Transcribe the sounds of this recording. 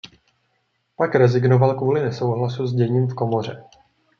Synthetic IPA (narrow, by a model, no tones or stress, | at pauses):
pakɾɛzɪɡnovalkvuːlɪnɛso̞wɦlasuzɟɛɲiːmfko̞mo̞r̝ɛ